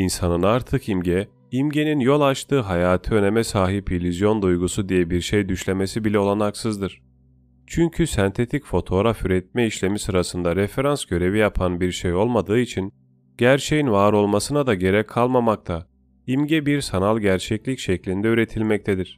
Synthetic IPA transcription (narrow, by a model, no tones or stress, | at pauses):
insanɯnaɾt̪ʰɯkimɟɛ | imɟe̞ninjo̞lˠat͡ʃt̪ʰɯːɦajaːt̪ʰɯø̞ne̞mɛsaːɦipʰilʲizjo̞nd̪ujɡusud̪ijɛbiɾʃejd̪yʃlʲe̞me̞sibilʲɛo̞lˠanaksɯzd̪ɯɾ̥ | t͡ʃʰyɲcʰysɛnt̪ʰe̞t̪ʰicfo̞t̪ʰo̞ɾafyɾɛt̪̚mɛiʃlʲe̞misɯɾasɯnd̪aɾefe̞ɾansɟ̥ø̞ɾe̞vijapʰanbiɾʃejo̞lˠmad̪ɯːit͡ʃʰin | ɟæɾt͡ʃʰejinvaːɾo̞lˠmasɯnad̪aɟe̞ɾɛkʰːalˠmamak̚t̪ʰa | imɟɛbiɾsanalˠɟæɾt͡ʃʰɛclʲicʃɛclʲind̪ɛyɾe̞t̪ʰilʲmɛc̚t̪ʰed̪iɾ̥